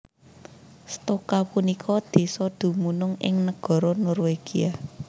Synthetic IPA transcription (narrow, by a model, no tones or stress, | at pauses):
st̪okapunikʰɔd̪̥e̤sɔd̪̥ṳmunʊŋɪ̰ŋnəɡ̥ɔ̤ɾɔnɔrweɡ̥ia